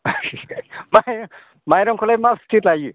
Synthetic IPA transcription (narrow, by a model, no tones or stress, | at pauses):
maj | majɾɔŋkʰɔlajmastʰitlaji